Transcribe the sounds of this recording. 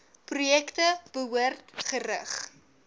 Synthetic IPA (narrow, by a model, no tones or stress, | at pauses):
prujɛktəb̥əɦuərtχəɾəχ